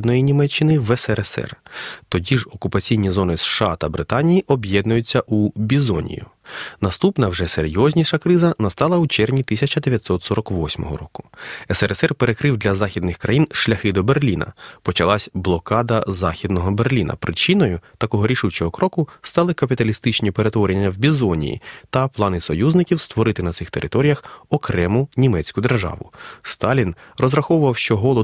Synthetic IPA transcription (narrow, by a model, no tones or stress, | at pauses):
d̪nɔjinʲimɛt͡ʃːɪnɪʋɛsɛɛsɛ̰rt̪ɔdʲiʐɔkʊpɐt͡sʲijnʲizɔnɪsʃɑt̪ɐbɾɪt̪ɑnʲijiʔɔbʲjɛd̪nʊjʊt͡sʲːɐʔubʲizɔnʲḭjʊ̰nɐst̪upnɐwʐɛseɾʲjɔzʲnʲiʃɐkɾɪzɐnɐst̪ɑlˠɐut͡ʃɛrnʲit̪isʲɐt͡ʃɐd̪eʋʲjɐtʲsɔt̪sɔɾɔkʋɔsʲmɔ̰ɦɔ̰ɾɔkʊ̥ɛsɛɾɛsɛrpeɾe̞kɾɪwd̪lʲɐzɑxʲid̪nɪxkɾɐjinʃlʲɐxɪd̪ɔberlʲinɐ̰pɔt͡ʃɐlˠɑsʲblˠɔkɑd̪ɐzɑxʲid̪nɔɦɔberlʲinɐ̰pɾɪt͡ʃinɔjʊt̪ɐkɔɦɔɾʲiʃut͡ʃɔɦɔkɾɔkʊst̪ɑlˠɪkɐpʲit̪ɐlʲist̪ɪt͡ʃnʲipeɾe̞t̪ʋɔɾʲenʲːɐwbʲizɔnʲḭjḭt̪ɐplˠɑnɪsɔjuznɪkʲiwst̪ʋɔɾɪt̪ɪnɐt̪sɪxt̪eɾʔɪ̰t̪ɔɾʲijɐxɔkɾɛmʊnʲimɛt͡sʲkʊd̪e̞rʒɑ̰ʋʊ̰st̪ɑlʲinrɔzɾɐxɔʋʊʋɐwʃt͡ʃɔɦɔlˠɔ